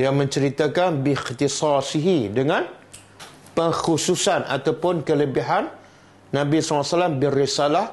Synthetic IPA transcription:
jaŋmə̃ɲt͡ʃəɾit̪akanbixt̪isɑsiɦidəŋãn | pəŋxususanʔa̰t̪awpʊnkələbiɦanː | ãbisɔlasalambərisalah

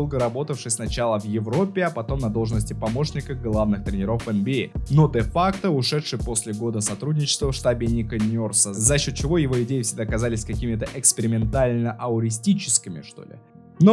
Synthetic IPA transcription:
lˠɡəɾɐbo̞t̪əfʂɨjʲsnɐt͡ɕalˠəvjɪvɾo̞pʲːɪɐpɐt̪o̞mnɐd̪o̞lˠʐnəsʲtʲɪpɐmo̞ʂnʲɪkəɡlˠavnɨxt̪ɾʲɪnʲɪɾo̞fɛnbʲɪno̞d̪ɛfakt̪əʊʂɛt̪ʂɨjpo̞sʲlʲɪɡo̞d̪əsɐt̪ɾudʲnʲɪt͡ɕɪ̥st̪vəfʂt̪abʲɪnʲɪkənʲorsəzɐɕːo̞t̪̚t͡ɕɪvo̞jɪvo̞ɪdʲejɪfsʲɪɡ̚d̪aːkɐzalʲɪsʲkɐkʲimʲɪt̪əʔɛkspʲɪɾʲɪmʲɪnt̪alʲnəʔɐʊɾʲɪsʲtʲit͡ɕɪ̥skʲɪmʲɪ̰ʂt̪o̞̰lʲɪ̰ | no

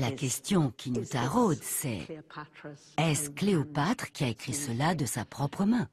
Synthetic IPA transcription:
lakʲɛst̪jɔ̃kʲʰinut̪aʁod̪sɛ̰ | ɛskleopat̪χkʲiaekχisəlad̪əsapχɔpχəmɛ̃

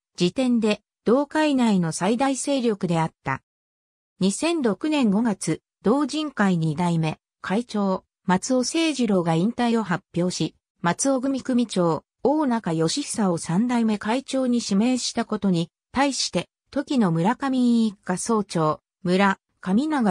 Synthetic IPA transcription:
d͡ʑit̪ẽ̞nd̪e̞ | d̪̥o̞ːkainaino̞said̪aise̞ːɾʲjo̞kɯ̟d̪e̞at̪ːa̰ | ɲ̟isẽ̞nɾo̞kɯ̟nẽ̞ŋɡo̞ɡat͡sɨ | d̪̥o̞ːʑĩŋkaiɲ̟id̪aime̞ | kʰait͡ɕo̞ː | mat͡sɨo̞se̞ːʑiɾo̞ːɡaĩnt̪aio̞ɦapʲːjo̞ːɕi | mat͡sɨo̞ɡɯ̟mʲikɯ̟mʲit͡ɕo̞ː | oːnakajo̞ɕi̥sao̞sãnd̪aime̞kait͡ɕo̞ːɲ̟iɕime̞ːɕi̥t̪ako̞t̪o̞ɲ̟i | t̪aiɕi̥t̪e̞ | t̪o̞kʲino̞mɯ̟ɾakamʲiɲːkːaso̞ːt͡ɕo̞ː | mɯ̟ɾa | kamʲinaɡa

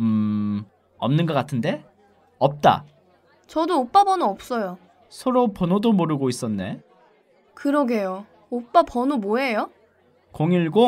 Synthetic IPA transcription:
ɯ | ʌ̰mnɯnɡʌk͈atʰɯnde̞ | ʌp̚t͈a̰ | t͡ɕʌdoop͈abʌnuʌp̚s͈ʌjo | sʰʌɾopʌnodomoɾɯɡois͈ʌnːe̞̰ | kɯɾʌɡejo | op͈apʌnumoɦe̞jo | koŋiɭɡo

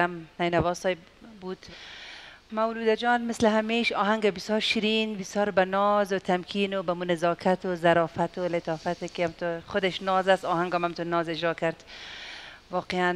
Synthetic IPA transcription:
amnajnavɔsɔj | bud̪ | mawluːd̪ad͡ʒɔːnmɪslɪɦameʃɒːɦaŋɡabisjɒːɾʃiɾinbɪsjɔːɾbanɔzʊt̪ʰamkʰinobamunɪzɑːkʰat̪ozaɾɔːfat̪olɪt̪ɑːfat̪ekeamt̪ʊxʊd̪eʃnɔːzasɔhaŋɡamamt̪unɔzɪd͡ʒɾɔːkaɾd̪ | wɒːqean

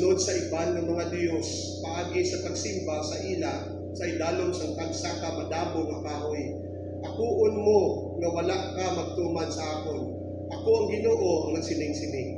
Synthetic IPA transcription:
no̞d̪̚sɐʔɪbanːɐŋmɐŋad̪jo̞s | pɐʔaːɡɪsɐpɐɡsimbasɐʔiːla | sɐʔɪd̪aːloŋsɐŋt̪aɡsakɐmɐd̪aːbonɐkaːʔoj | ʔɐkuːʔonmo | ŋɐwɐlaʔkamɐɡ̚t̪uːmɐnsɐʔaːkon | ʔɐkoʔɐŋɡɪnoːʔoʔɐŋnɐɡsɪnɪŋsɪnɪŋ

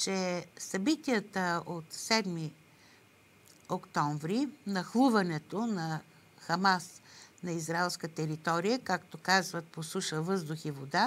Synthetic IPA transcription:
t͡ʃɛsɐbit̪iət̪əot̪sɛd̪mi | okt̪ɔɱvɾinɐxlˠuvɐnɛt̪onɐ | xɐmasnɐizɾaɛlˠskət̪ɛɾit̪ɔɾijəkakt̪okazvət̪̚posuʃəvɤzd̪ʊxivod̪a

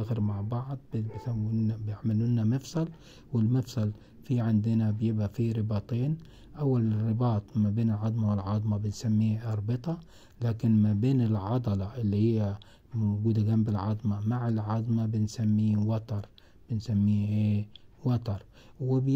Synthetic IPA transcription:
aɣɪɾmaʕbɑʕd̪ˤbbsabjɪʕmalunːamɪfsˤɑl | wɪlmɪfsˤɑl | fiʕɪnd̪ɪnabjɪbʔafiɾɪbɑːt̪ˤeːn | ʔawːalrːɪbɑːt̪ˤmabeːnɪlʕɑd̪ˤmawɪlʕɑd̪ˤmabɪnsamːiːʔɑɾˤbɨt̪ˤɑ | laːkɪnmabeːnɪlʕɑd̪ˤɑlɑʔɪlːihɪjːa | mwɡuːd̪aɡambɪlʕɑd̪ˤmamaʕɪlʕɑd̪ˤmabɪnsamːiːwɑt̪ɑɾˤ | b̥ɪnsamːiːʔewɑt̪ˤɑɾˤ | wɪb

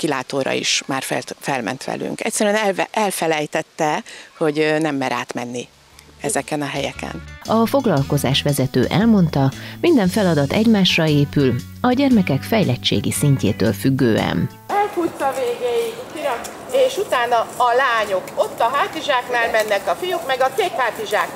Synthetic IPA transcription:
kilaːt̪oːɾɒ̰ḭʃmaːrfɛfɛlmɛ̰n̪t̪ʋɛ̰ly̰ŋkɛ̰cʲsːɛɾyɛnʔɛlfɛlɛjt̪ɛt̪ːɛho̞ɟnɛmːɛɾa̰ːt̪mɛnːi | ɛzɛkɛnɒɦɛjɛ̰kɛ̰nɒfo̞ɡlɒlko̞zaːʃʋɛzɛt̪ø̰ːʔɛlmo̞nt̪ɒmind̪ɛɱfɛlɒd̪ɒt̪ɛɟmaːʃrɒeːpyl | ɒɟɛrmɛkɛkfɛjlɛt͡ʃːḛːɡisiɲcḛːt̪ø̰ːlfyɡːøːɛ̰n | ɛlfut̪sɒveːɡeːji | eːʃut̪aːnɒːlaːɲo̞kot̪ːɒɦaːt̪iʒaːknaːlmɛnːɛkɒfijukmɛɡɒseːkhaːt̪iʒaːk

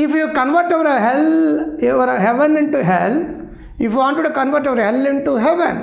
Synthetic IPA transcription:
ifjuːkɐ̃nʋəɾʈoʋɐɾɐɦɛloʋəɾɦɛʋə̃nɪ̃ɳʈuɦɛl | ifjuʋãːɳʈːuʈukɐ̃nʋəɾʈoʋəɾɦɛlɪ̃ɳʈuɦɛʋə̰̃n

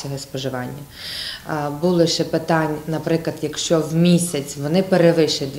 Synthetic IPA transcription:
ɔɦɔspɔʒɪʋɑnʲːɐ | bulˠɪʃɛpɪt̪ɑnʲnɐpɾɪklˠɐd̪jɐkʃt͡ʃɔwmʲisʲɐt͡sʲʋɔnɪpeɾeʋɪʃɐd̪

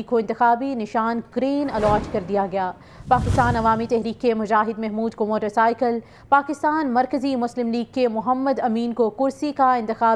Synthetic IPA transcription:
kːoɪ̃nt̪ɪxaːbinɪʃaːnɡɾeːnɐlɔːʈkɐɾd̪ijaɡɐjaː | paːkɪst̪aːnɐʋaːmit̪ɛɦɾiːkːemʊd͡ʒaːɦɪd̪mɛɦmuːd̪komoːʈəɾsaːɪkəl | paːkɪst̪aːnmɐɾkəzimʊslɪmliːɡ̚kːemʊɦəmːəd̪ɐmiːnkokʊɾsikaɪ̃nt̪ɪxaː

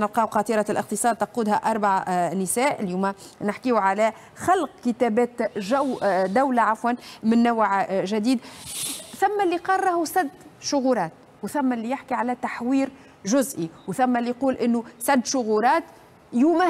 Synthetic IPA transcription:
nɪlqɑːwqɑːt̪ˤiːɾɑlʔɪq̚t̪əsˤɑːd̪̚t̪ɑquːd̪hæʔɑɾˤbaʕnɪsæːʔɪljuːmæ | nɪħkiwʕalæ | xɑlqkɪt̪æːbæːt̪ʒawd̪awlaʕafwanmɪnːawʕʒad̪iːd̪ | θæmːælːiqɑɾˤːɑhusad̪ːʃʊɣuːlɑːt̪̚ | wθæmːælːijɪħkiʕalæt̪aħwiːɾ | ʒʊzʔiwθæmːælːiquːlʔɪnːusad̪ːʃʊɣulɑːt̪ | juːmæ

